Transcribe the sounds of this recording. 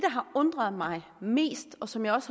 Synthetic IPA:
d̥ɑɦɑ̈ɔ̽nd̥ʁɐð̩ˠmɑ̈ɪme̝̰ːsd̥ɒ̽sɒ̽mjɑɪɒ̽s

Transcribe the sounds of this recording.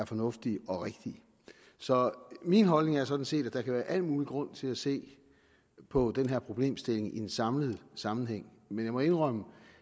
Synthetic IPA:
æɐfɒ̽nɔ̽fd̥iɒ̽ʁeɡ̥d̥i | sɒ̽minɦɒ̽lne̝ŋæɐs̬ɒ̽d̥n̩se̝̰ːd̥æd̥ɑ̈kʰæʋæːɐʔæl̰muːliɡ̥ʁɔ̽n̰t͡sʰe̝læse̝̰ː | pʰɒ̽d̥enɦeɐ̰pʰʁo̝b̥le̝̰ːmsd̥e̝le̝ŋiensɑ̈mləð̩ˠsɑ̈mn̩ɦeŋ̰menjɑ̈mɒ̽e̝nʁœmə

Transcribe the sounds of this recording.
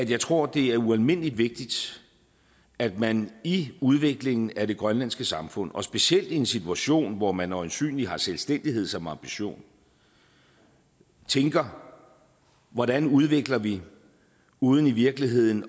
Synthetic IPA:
æd̥jɑ̈ɪt͡sʰʁo̝ɐ̰d̥e̝æɐuælme̝n̰lid̥ʋe̝ɡ̥̚d̥id̥ | æd̥mæniuð̞ˠʋe̝ɡ̥le̝ŋn̩æɾe̝ɡ̥ʁɶnlæn̰sɡ̥əsɑ̈mfɔ̽n̰ɒ̽sb̥e̝ɕiel̰d̥ie̝nsit͡sʰuæɕo̝̰ːnʋɒmænɒnsy̰ːnlihɑ̈selsd̥en̰d̥iɦe̝ð̞̰ˠsɒ̽mɑ̈mb̥iɕo̝̰ːn | t͡sʰeŋɡ̥ɐ | ʋɒɾænuð̞ˠʋe̝ɡ̥lɐʋi | uːð̞ˠn̩iʋiɐɡ̥liɦe̝ð̞̰ˠn̩

